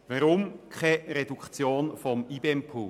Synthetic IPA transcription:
vaɾʊmkʰχɛɾedukχt͡sjoːnfɔmiːbeɛmpʰuː

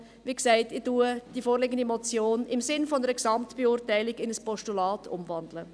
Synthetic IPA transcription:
ʋiksæɪtɪdud̥ifoːɾlɪɡən̩dimɔt͡sjoːnɪmsɪnfɔnəɾəksɑmtb̥eʊːɾtæɪlɪɡɪnəspɔʃtulɑːtʰʊ̰mvɑndlə

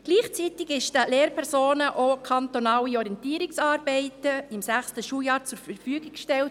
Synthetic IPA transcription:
ɡ̥liːχt͡sit̪iɡɪʃtəleːɾpʰɛɾsoːnəʔokʰɑnt̪onɑːwiɔɾiɛntiːəɾiksɑːɾbɛɪtəɪmsæχstəʃuːjɑːɾt͡sʊɾfəɾfyːɡɪkʃtɛlt̚

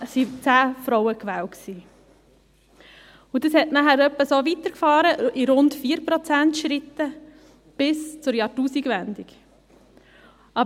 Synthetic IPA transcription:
sit͡sæːfɾɔʊəkʋæːwksiː | udəshɛtnæχæːɾœpːəsoːʋit̪əɾkfɑːɾəʔiɾʊntfiːəɾpɾɔt͡sæntʃɾit̪ːə | b̥ɪst͡sʊɾjɑtuːsiɡʋænd̪ik | ɑ

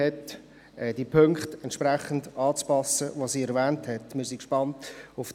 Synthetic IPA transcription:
ɛt | ɛd̥ipʰøŋkχtɛntʃpræχən̩dɑːt͡spɑsəvosiːɛɾvɛːnthɛtmɪɾsikʃpɑntʊf

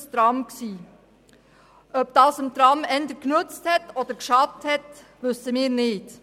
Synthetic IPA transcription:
st̪ɾɑmksiː | ʔœp̚d̥ɑːsəmtɾɑmɛndəknʉt͡sthɛtɔd̪əɾkʃɑdəthɛt | ʋʏsəmiːɾnɪːd̥

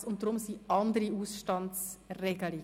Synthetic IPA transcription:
sʊnt̚d̥ʁʊmsiʔɑndəɾiuːsʃtɑnsʁeːɡəli

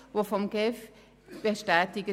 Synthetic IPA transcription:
vofɔmɡef | b̥əʃtɛːtɪɡə

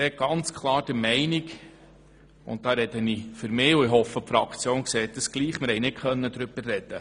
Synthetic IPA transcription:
ɛːɡ̥ɑnt͡skʰlˠɑːɾd̥əɾmɛɪniɡ | ʊ̰nt̚d̥ɑːɾɛd̪ənifʏɾmɪːuɪɦɔfːəpfɾɑkt͡sjoːnkseːt̚d̥əsɡ̥liːχmɪɾhɛjnɪt̚kʰœnːəd̪ɾʏb̥ərːɛd̪̥ə

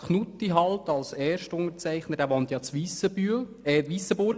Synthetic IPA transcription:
kʰnutːiɦɑltɑlsɛːʃtʊŋəɾt͡sæɪχnədæːʋɑnt̪jɑːt͡sʋiːsəbyl | ɛtʋiːsəbʊɾɡ

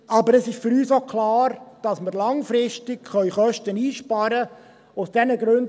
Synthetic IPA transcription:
ʔɑbəɾəsɪʃfʏɾyːsokʰlɑːɾd̥ɑsməɾlɑŋfɾɪʃtɪkχœʏχœʃtəniːʃpɑɾə | ʊsd̥ɛnəɡɾʉnd

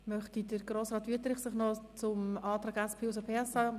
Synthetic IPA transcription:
mœχtidəɾɡroːsʁɑːt̪ʋyətɾɪχsɪχnɔt͡sʊmɑːtʁɑːɡɛspʰeːusəpʰeːɛsɑ

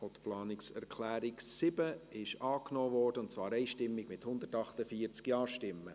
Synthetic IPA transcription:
ot̪plɑːnɪksɛ̰ɾkʰlæːɾɪksɪbəɪʃɑːknoːvɔːrd̥əʊntt͡svɑːɾɛɪʃtɪmːɪɡmɪthʊnd̪ətɑχtəfiːəɾt͡skjɑːɾʃtɪmːə

